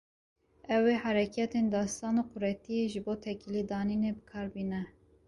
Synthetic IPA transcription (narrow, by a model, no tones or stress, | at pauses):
ɛweːhɑɾɛkʰɛt̪end̪ɑːst̪ɑːnoːqʊɾɛt̪ijeʒɨboːt̪ʰɛkilid̪ɑːninebɨkʰɑːɾbiːnɛ